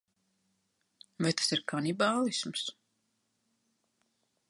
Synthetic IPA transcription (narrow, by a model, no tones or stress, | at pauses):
vɛjt̪ḁsiɾkʰanibaːlˠisms